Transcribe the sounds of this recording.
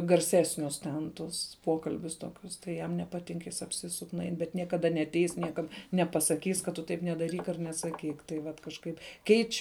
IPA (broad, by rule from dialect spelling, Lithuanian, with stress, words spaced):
ɡɐrʲˈsʲæːsʲnʲʊs tʲɛn ˈtʊs ˈpoːkɐlʲbʲʊs ˈtoːkʲʊs tɐɪ ˈjɛm nʲɛpɐˈtʲɪŋk ˈjɪs ɐpʲˈsʲɪsʊk nʊˈɐɪn bʲɛt nʲiɛkɐˈdɐ nʲɛɐtʲˈɛɪs ˈnʲiɛkɐt nʲɛpɐsɐˈkʲiːs kɐt ˈtʊ ˈtɐɪp nʲɛdɐˈrʲiːk ɐr nʲɛsɐˈkʲiːk tɐɪ ˈʋɐt kɐʃˈkɐɪp ˈkʲɛɪt͡ʃʲ